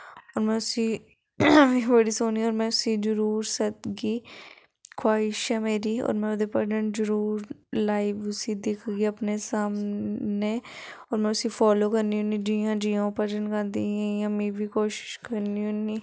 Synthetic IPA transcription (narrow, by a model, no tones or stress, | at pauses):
ɔːɾmɛ̃ʊsi | ʋĩbəɽisoːniɔːɾmɛ̃ːʊsid͡ʒʊɾuːɾsət̪̚ɡiː | kʰwaːɪʃɛːmeːɾiːɔ̰ːɾmɛ̃ːʊd̪epəɾd͡ʒənzəɾuːɾlaːɪʋʊsid̪ɪkʰɡiəpnesaːmneːɔːɾmɛ̃ʊsifʰɔːloːkəɾniɦõːnĩːd͡ʒiːãːd͡ʒiːãpəd͡ʒənkand̪ĩːjãmĩbʱiːkoːʃɪ̥ʃkəɾniɦũnĩː